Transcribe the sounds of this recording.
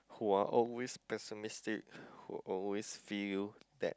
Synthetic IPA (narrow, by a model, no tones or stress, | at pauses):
huaʔɔlwespɛsumistik̚hṵʔɔlwesfildɛ̰t̚